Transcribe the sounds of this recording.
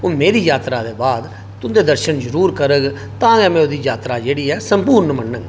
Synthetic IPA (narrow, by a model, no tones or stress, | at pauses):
oːmeːɾiːjaːt̪ɾaːd̪eːbaːd̪ | t̪ʊd̪eːd̪əɾʃənzəɾuːɾkəɾəɡ | t̪ãːɡɛːmɛ̃ːoːd̪iːjaːt̪ɾaːd͡ʒeːɽiːɛːsəmpuːɾnmənːəŋɡ